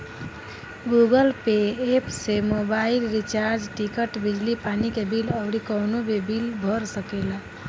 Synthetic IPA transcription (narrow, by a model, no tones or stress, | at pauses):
ɡuɡəlpeːpsemobailɾit͡ʃaɾd͡ʒʈikəʈbid͡ʒlipanikebiləbɽikɔwnobebilbʱɔɾsəkela